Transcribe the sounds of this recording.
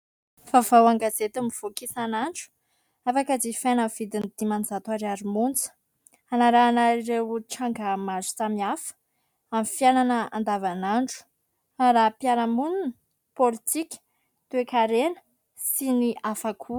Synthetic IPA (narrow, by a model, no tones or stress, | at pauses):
v̥avawaŋɡazet̪umiv̥okisanaɳɖ͡ʐu̥ | afakəd͡zifenəv̥id̪inid̪̥imanzat̪uaɾaɾimunt͡sə̥ | anaɾaːnaiɾewuʈ͡ʂaŋɡamazu̥t͡samiafə̥ | amifiananəa̰nd̪avanaɳɖ͡ʐu̥ | aɾapjanəmunun | polit̪ikʲə̥ | t̪uekaɾenə̥ | siniʔafakʰu